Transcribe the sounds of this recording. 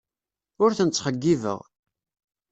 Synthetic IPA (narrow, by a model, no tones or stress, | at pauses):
ʊɾθənət͡sːχəɡːivə̰ʁ